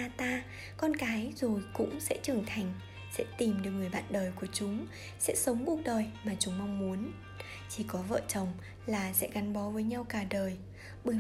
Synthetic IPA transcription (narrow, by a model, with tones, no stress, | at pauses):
aː˧t̪aː˧ | kɔ˧nkaː˨˦jzo˨˩jkʊ̰˧˥ŋ͡msɛ̰˧˥t͡ɕɨ˨˩əŋt̪ʰa˨˩jŋ̟ | sɛ̰˧˥t̪i˨˩mɗɨ˨˩ək̚ŋɨ˨˩əjɓa̰ː˧˨nɗəː˨˩jku˧˩ət͡ɕʊ˨˦ŋ͡m | sɛ̰˧˥sə˨˦wŋ͡mku˧˨˩ək̚ɗəː˨˩jmaː˨˩t͡ɕʊ˨˦ŋ͡mma˧wŋ͡mmu˨˦ən | t͡ɕi˧˩kɔ˨˦və̰ː˧˨t͡ɕə˨˩wŋ͡m | laː˨˩sɛ̰˧˥ɣa˨˦nɓɔ˨˦vəː˨˦jɲa˧wkaː˨˩ɗəː˨˩j | ɓɨ˨˩